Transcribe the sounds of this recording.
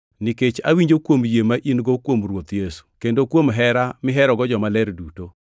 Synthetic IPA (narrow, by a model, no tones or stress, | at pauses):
niket͡ʃawiɲd͡ʒokwomjemaʔinɡɔkwomɾwot̪jesu̥kendokwomɦɛɾamɪɦɛɾɔɡɔd͡ʒɔmalɛɾduto